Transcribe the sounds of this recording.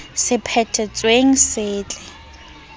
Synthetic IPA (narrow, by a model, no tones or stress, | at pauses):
sɪpʰɛtʰɛt͡sʼweŋ̩sɪːt͡ɬʼɛ